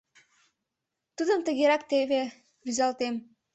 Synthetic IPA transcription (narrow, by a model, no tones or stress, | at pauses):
t̪ud̪ə̆mt̪ə̆ɣeɾɑk̚t̪eβe | βyzɑlt̪em